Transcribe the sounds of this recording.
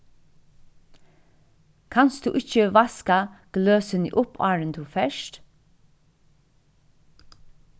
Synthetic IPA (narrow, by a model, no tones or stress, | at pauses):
kʰɑnsd̪̥ʉ̰ːʔɪçəʋɑskɑɡ̥løːsənḭːʔʊpɑːɹənt̪ʰuːfɛʃt